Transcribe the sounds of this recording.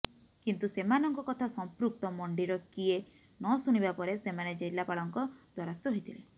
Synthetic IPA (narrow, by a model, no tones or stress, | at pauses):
kint̪usemanɔŋkɔkɔt̪ʰasɔmpɾuk̚t̪ɔmɔɳɖiɾɔkie | nɔsuñibapɔɾesemaned͡ʒejlapaɭɔŋkɔd̪̥ʱwaɾast̪ɔɦojt̪ʰile